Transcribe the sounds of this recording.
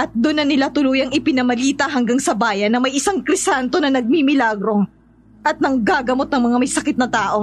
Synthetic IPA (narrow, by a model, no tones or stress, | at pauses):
ʔɐt̪̚d̪ʊnːɐnɪlat̪ʊluːjɐŋɪpɪnɐmɐliːt̪ɐɦɐŋɡaŋsɐbaːjɐnːɐmɐjʔɪsaŋkɾɪsant̪o̞nɐnɐɡ̚mimɪlaɡɾo̞ | ʔɐt̪̚nɐŋɡaɡɐmo̞t̪̚nɐŋmɐŋamɐjsɐkɪt̪nɐt̪aːʔo̞